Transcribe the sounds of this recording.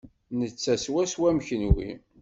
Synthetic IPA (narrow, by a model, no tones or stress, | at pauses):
nət͡sːæswæswæmçənwḭ